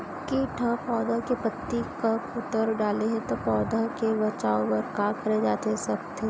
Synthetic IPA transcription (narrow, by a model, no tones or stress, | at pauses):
kiʈʰãpɔːd̪akepɐt̪ːikapʊt̪əɾɖaːleɦɛ̃t̪opɔːd̪akebɐt͡ʃaːõpɐɾkaːkɐɾed͡ʒaːt̪eɦɛsɐbt̪ʰeː